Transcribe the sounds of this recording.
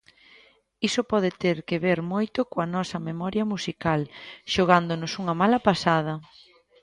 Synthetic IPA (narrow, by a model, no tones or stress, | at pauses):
isopɔð̞ɪt̪eɾkeβeɾmojt̪ʊkoɐnɔsɐmemɔɾjɐmusikalʃoɣ̞and̪onʊsuŋɐmalɐpasað̞ɐ